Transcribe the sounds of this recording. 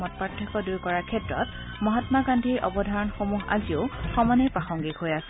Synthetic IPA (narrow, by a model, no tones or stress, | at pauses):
ɔtpatʰːɔkɔdujkɔɹakʰɛtɹɔt | mɔɦatmakandʱiɹʔɔ̰bɔdʱaɹɔnxomuɦa̰zioxɔmanɛpɹaxɔŋɡikɦojasɛ